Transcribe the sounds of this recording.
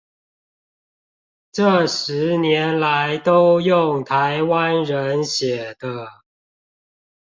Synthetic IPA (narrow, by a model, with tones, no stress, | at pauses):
ʈ͡ʂɤ˥˩ʂɻ̩˨˦njɛ˨˦nla˨˦ɪt̪o˦˥ʊjʊ˥˨ŋt̪ʰa˨˦ɪwa˦nɻə˨˦nɕjɛ˨˩d̪̥ə˦